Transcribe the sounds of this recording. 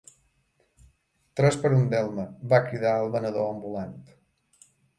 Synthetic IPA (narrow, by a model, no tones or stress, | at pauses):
t̪ɾɛspəɾund̪ɛlˠməβakɾiðaəlˠβənəðoəmbulant̪